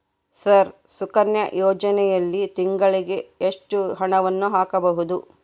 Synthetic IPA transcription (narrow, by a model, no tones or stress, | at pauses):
sɐɾ | sukɐnjɐ̰jɔːd͡ʒɐnɛjɐlːit̪iŋɡɐɭiɡeːʂʈuɦɐɳɐʋɐnːuɦaːkɐbɐɦud̪u